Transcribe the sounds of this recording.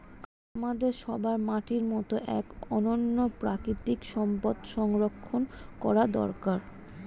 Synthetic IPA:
amad̪eɾʃɔbaɾmaʈiɾmɔt̪oʔɛ̰kɔnonːopɾakɾit̪ikʃɔmpod̪ʃɔŋɾokʰːonkɔɾad̪ɔ̰ɾkaɾ

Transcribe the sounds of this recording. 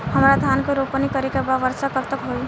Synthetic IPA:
həmɾad̪ʱankeɾopənikəɾekebaʋəɾsakət̪əkɦoj

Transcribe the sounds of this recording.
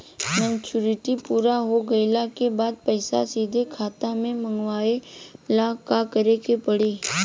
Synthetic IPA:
mɛ̃ːnt͡ʃuɾɪʈipuːɾaɦoɡəɪlakebaːd̪̚pəɪsa̰siːd̪ʱekʰaːt̪amẽməŋɡʋaːelakakəɾekepəɽiː

